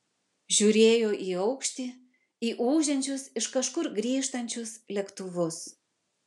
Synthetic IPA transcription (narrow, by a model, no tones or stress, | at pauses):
ʒʲuːɾʲeːjoːʔiːɒʊkʃʲt̪ʲiː | iːʔuːʒʲɛnʲt͡ʃʲʊsɪʃkɐʃkʊɾɡɾʲiːʃt̪ɐnʲt͡ʃʲʊslʲɛkt̪ʊʋʊs